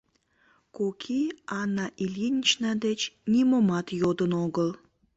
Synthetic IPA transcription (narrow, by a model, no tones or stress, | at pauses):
kokʰiɑnːɑʔilʲjinʲt͡ɕnɑd̪et͡ɕnʲimomɑt̪jod̪ənoɣəl